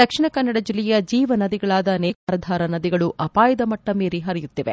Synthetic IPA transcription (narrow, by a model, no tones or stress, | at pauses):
d̪̥ɐkʂiɳɐkɐnːɐɽɐd͡ʒilːɛjɐd͡ʒiːʋɐnɐd̪iɡɐɭaːd̪ɐneːkaːɾɐd̪ʱaːɾɐnɐd̪iɡɐɭuʔɐpaːjɐd̪ɐmɐʈːɐmeːɾiɦɐɾijut̪ːiʋe